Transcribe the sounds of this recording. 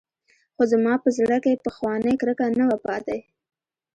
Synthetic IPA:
xozamɑpəzɽakepəxwɑnəjkɾəkanawapɑt̪ej

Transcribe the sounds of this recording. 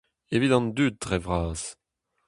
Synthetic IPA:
evit̪ɑ̃nd̪yt̪̚dʁɛvʁaːz

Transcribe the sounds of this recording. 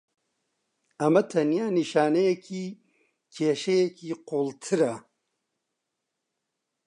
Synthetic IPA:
ɐmɐt̪ʰɐnijaːniʃaːnejekʰi | t͡ɕeɕejekiqoːlt̪ʰiɾa

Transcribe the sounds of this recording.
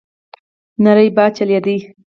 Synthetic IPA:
naɾəjbɑt͡ʃaljad̪i

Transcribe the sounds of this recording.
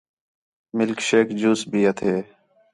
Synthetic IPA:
mɪlkʃeːkd͡ʒuːsbʱiːət̪ʰeː

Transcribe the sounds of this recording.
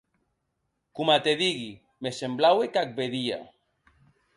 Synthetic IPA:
kumat̪eðiɣi | mesemblawekak̚beðia̰

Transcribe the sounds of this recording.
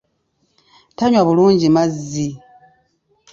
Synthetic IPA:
taɲwaβuluːɲɟimazːi

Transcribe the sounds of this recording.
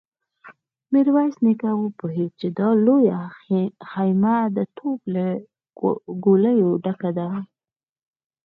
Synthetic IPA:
mɪɾwasnɪkawəpoɦed̪̚t͡ʃed̪ɑloja | xajmad̪ət̪ʰobla | ɡoləjoɖakad̪a

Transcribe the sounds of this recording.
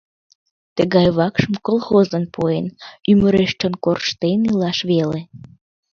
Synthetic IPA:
t̪əɣɑjβɑkʃəmkolˠxozənpoenyməɾeʃt͡ʃonkorʃt̪enilɑʃβele

